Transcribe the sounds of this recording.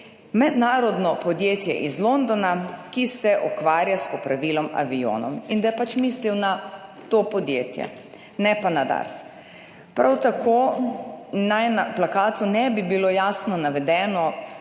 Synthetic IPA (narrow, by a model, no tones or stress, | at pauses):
mɛd̪naːɾɔd̪nɔpɔd̪jeːt̪jɛ̰ʔizlond̪ɔnakisɛʔɔkʋaːɾjaspɔpɾaʋiːlɔma̰ʋijo̰ːnɔ̰mind̪ajɛpat͡ʃmiːsliwnat̪opɔd̪jeːt̪jɛ̰ | nɛpanad̪a̰ɾs | pɾʔawt̪akʰo | najnaplakaːt̪unɛbibilojaːsnɔnaʋɛd̪ɛːnɔ